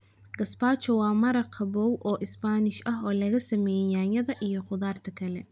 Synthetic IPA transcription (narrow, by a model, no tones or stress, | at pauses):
ɡ̥ɐsbaːt͡ʃɔwɑːmɐɾɐqʰɐbɔwʔɔːʔɪsbaːnɪʃɐɦɔːlɐɣɐsɐmɛːjɛjaːjɐðɐʔijɞqʊðaːrt̪ʰɐkʰɐlɛ̰